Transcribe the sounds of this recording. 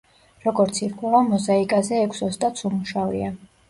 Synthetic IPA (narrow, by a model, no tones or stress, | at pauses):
ɾɔɡɔɾt̪sʰiɾkʰwɛlamɔzaikʼazɛːkʰʷsɔst̪ʼat̪sʰumuʃavia